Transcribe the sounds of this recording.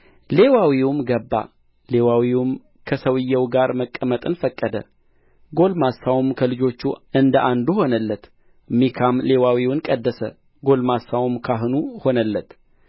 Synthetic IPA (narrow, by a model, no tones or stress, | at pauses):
le̞wawiwʊmɡəbːa̰ | le̞wawiwum | kʰəsəwɨjːɛwɡaɾməkʼːəmət̪ʼɨnfəkʼːəd̪ə̰ | ɡo̞lmasːawumkʰəlɨd͡ʒo̞t͡ʃːuɨnd̪əʔand̪uho̞nəlːət̪ | mikʰamle̞wawiwʊnkʼəd̪ːəsə | ɡo̞lmasːawmkʰaɦɨnuho̞nəlːət̪